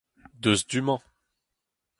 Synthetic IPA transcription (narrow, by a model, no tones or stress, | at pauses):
d̪øzd̪ymɑ̃